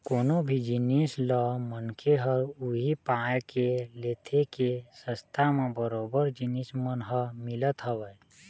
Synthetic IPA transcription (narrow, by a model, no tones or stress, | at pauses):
koːnobʱid͡ʒinislɔmənkʰeɦəɾuɦipãekeleːt̪ʰekesə̃st̪ʰamẽbəɾoːbəɾd͡ʒinismənɦəmɪlət̪ɦəwəj